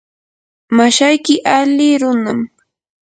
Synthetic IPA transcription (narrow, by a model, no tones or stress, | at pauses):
maʃajkɪʔalɪɾʊnam